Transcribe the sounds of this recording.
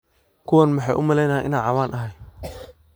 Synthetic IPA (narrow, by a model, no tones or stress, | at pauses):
kʰʊwanmɐħɑjʔʊmɐlɛjnɐːjʔɪ̰naːʕɑwaːnʔɐɦɛj